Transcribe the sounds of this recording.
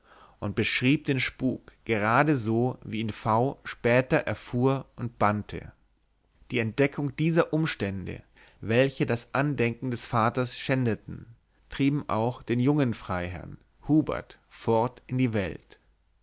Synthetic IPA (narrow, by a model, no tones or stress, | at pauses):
ʔʊnt̚b̥əʃʁ̥iːp̚d̥eːnʃpuːkɡ̥əʁaːdəzoːviːɪnfaʊʃpɛːtɐʔɛɐfuːɐʔʊnt̚b̥antʰə̰ | d̥iːɛnt̚d̥ɛkʰʊŋd̥iːzɐʔʊmʃtɛndə̰ | vɛlçədasʔandɛŋkŋ̩dɛsfaːtɐsʃɛndətn̩ | tʁ̥iːbm̩ʔa̰ʊxd̥eːnjʊŋənfʁ̥aɪɦɛ̰ɐn | huːbɐ̰ɐtfɔɐtɪndiːvɛlt